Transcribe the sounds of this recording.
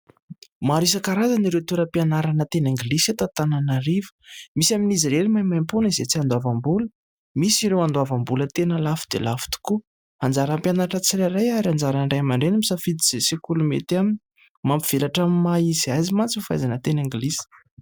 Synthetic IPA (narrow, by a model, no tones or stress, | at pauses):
maɾis̬akaɾazaniɾewt̪uɾəpianaɾanət̪eneŋɡiliset̪at̪ananaɾivə̥misaminiziɾelimajmajmpunizet͡siand̪oavambulə̥ | misiɾewand̪oavambulət̪enəlafi̥d̪ḛlafu̥t̪u̥ku | and͡zaɾampjanaɾaʈ͡ʂət͡siɾaɾajaɾand͡zaɾaɳɖ͡ʐajmaɳɖ͡ʐenamisafid̪iz̥esekulumḛt̪amini | mampi̥v̥elaʈ͡ʂammːaizajzimant͡sufajzanət̪eneŋɡilizi̥